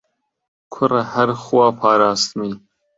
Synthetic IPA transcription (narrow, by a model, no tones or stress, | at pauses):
kʰʊɾahaɾxwɑːpʰɑːɾɑːst̪mi